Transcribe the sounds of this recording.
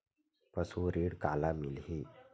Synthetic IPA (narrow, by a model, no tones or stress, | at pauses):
pəsuɾiːɽkalamilɦiː